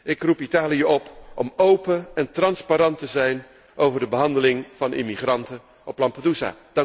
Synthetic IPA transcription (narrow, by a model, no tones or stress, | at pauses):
ɪkrupitaːliəɔpʔɔmowpəɛntrɑnspaɾɑntəzɛjn | ʔowvəɹdəbəɦɑndəlɪŋv̥ɑnʔɪ̰miχrɑntə | ʔɔplɑmpaduza̰ːd